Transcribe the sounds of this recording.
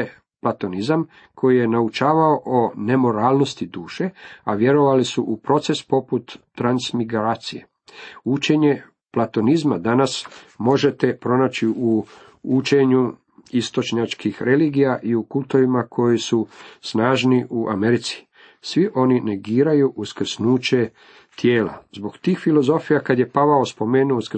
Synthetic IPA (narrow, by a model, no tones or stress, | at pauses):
plat̪o̞nizam | kʰo̞jije̞naut͡ʃaːʋaoʔone̞mo̞ɾaːlˠno̞st̪id̪uːʃe̞aʋje̞ɾo̞ʋalisuʔupɾo̞t̪se̞spo̞put̪ːɾansmiɡɾaːt̪sije̞̰ | ut͡ʃe̞ɲe̞ | plat̪o̞nizmad̪anasmo̞ʒe̞t̪e̞pɾo̞naːt͡ɕiu | ut͡ʃe̞ɲu | ist̪o̞t͡ʃɲat͡ʃkʰixɾe̞liːɡijaʔiukult̪oʋimakʰo̞jisusnaːʒniʔuʔame̞ɾit̪si̥ | sʋiʔo̞nine̞ɡiːɾajuʔuskr̩snuːt͡ɕe̞ | t̪je̞ːla̰zbo̞kt̪iːxfilo̞zo̞fijakad̪je̞paʋaospo̞meːnuosk